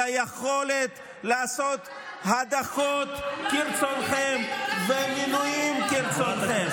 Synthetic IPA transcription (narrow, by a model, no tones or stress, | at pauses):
ajeχole̞t̪ | laaso̞t̪ | had̪aχot̪kiɾt͡sonχemveminujimkiʁt͡sonem